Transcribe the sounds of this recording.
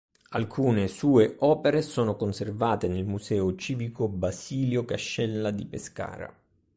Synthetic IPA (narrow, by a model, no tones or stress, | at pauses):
alkʰuːnesuːeʔɔːpeɾesoːnokonservaːt̪enelmuzɛːot͡ʃiːvikobasiːljokaʃːɛlːad̪ipeska̰ːɾa̰